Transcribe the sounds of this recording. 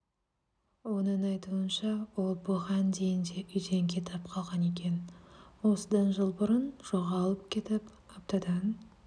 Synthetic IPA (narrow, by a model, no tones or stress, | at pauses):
wo̞nəɴɑjt̪uənʃɑwo̞lˠbʊʁɑnd̪e̞jɪnd̪e̞ʔʏjd̪e̞ŋkʲʰe̞t̪ʰɑp̚qʰɑlˠʁɑne̞kʲe̞nwo̞səd̪ɑnʒəlˠbʊɾənʒ̥o̞ʁɑlˠəp̚kʲʰe̞t̪ɪp | ɑp̚t̪ɑd̪ɑn